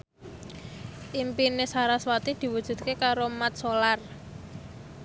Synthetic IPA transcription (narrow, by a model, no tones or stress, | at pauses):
ʔimpinesaɾaswat̪id̪̥i̤wud̥ʒ̥ṳd̪̚kekaɾomat̪̚solar